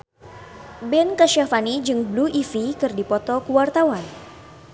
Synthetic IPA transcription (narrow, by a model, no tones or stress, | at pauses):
bɛnkaʃafanid͡ʒɨŋbluʔifikɨrdipɔt̪ɔkuwart̪awan